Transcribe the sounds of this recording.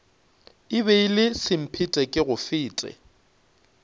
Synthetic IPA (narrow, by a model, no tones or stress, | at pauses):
ɪbeilɪsɪm̩pʰɪtʼɛkʼɪɣʊfɪːtʼɛ̰